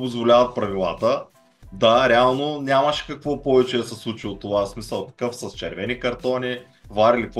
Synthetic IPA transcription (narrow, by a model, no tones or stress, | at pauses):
pozvolʲavɐt̪̚pɾɐvilˠa̰t̪ə | d̪aɾɛalˠnonʲaməʃɛ̥kɐkvɔpɔvɛt͡ʃɛsɛslˠut͡ʃilˠot̪ːovasmisəlˠkɐ̥kɤfsɐst͡ʃɛɾvɛnikɐɾt̪ɔni | vaɾilikv